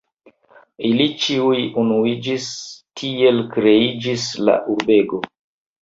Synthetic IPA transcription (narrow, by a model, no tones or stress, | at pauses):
ilit͡ʃiujunuid͡ʒistʰie̞lkɾe̞id͡ʒisla̰ʔuɾbe̞ɡo̞